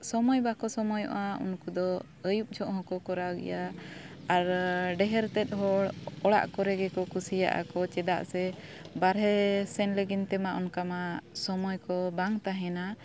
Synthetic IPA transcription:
sɔmɔjbakɔsɔmɔjɔ̰ʔaṵnkud̪ɔ | əjup̚d͡ʒʰɔʔhɔ̃kɔkɔɾawɡɛ̰jaaɾɖɛɦɛɾt̪ɛt̪̚ˀɦɔɽɔɽa̰ʔkɔɾɛɡɛkɔkusija̰ʔa̰kɔt͡ʃɛd̪a̰ʔsɛbaɾɦɛsɛnləɡint̪ɛmaʔɔnkamasɔmɔjkɔbaŋt̪aɦɛna

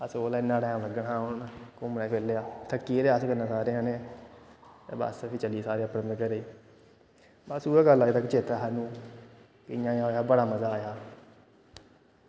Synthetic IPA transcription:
əsoːlaːɪnːãːɽɛ̃ːləɡənɦãːʊnkʊmlaːpʰeːlːeaːt̪ʰəkːiːɾeaːəskənãːsaːɾeːɦənẽː | t̪ḛːbə̰spʰit͡ʃəliːsaːɾeːəpɾənd̪kəɾeː | bəsuːaːɡəlːaːt̪əkt͡ʃeːt̪ɾaːɦanũː | kɪjãːjãːoːjaːbəɽaːməzaːjaː

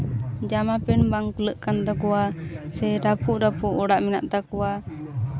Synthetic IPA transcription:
d͡ʒamapɛnbaŋkələʔkant̪akuasɛɾapuʔdapuʔɔɽaʔmina̰ʔt̪akua

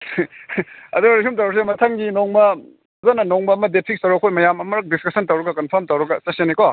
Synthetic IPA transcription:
ɐ̰duɾikʰumt̬ɐwɾɐks̬emɐtʰɐŋɡinoŋmɐ | zanɐnoŋbɐːmɐdepʰik̚stɐwɾɐkʰojmɐjamɐmɐɾɐk̚diskɐsɐntɐwɾɐɡɐkɐnpʰɐɾmtɐwɾɐɡɐsɐsenikɔ

